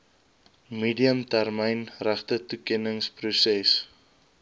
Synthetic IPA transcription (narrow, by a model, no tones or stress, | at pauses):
miːdiəmtærməjnræχtətukɛnəŋsprusɛs